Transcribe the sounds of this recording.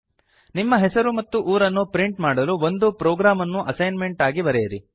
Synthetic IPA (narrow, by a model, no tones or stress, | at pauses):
nimːɐɦɛsɐɾumɐt̪ːuʔuːɾɐnːupɾiɳʈmaːɽɐluʋo̞nd̪upɾoːɡɾaːmɐnːuʔɐsɐjnme̞ɳʈaːɡiʋɐɾɛjɐɾi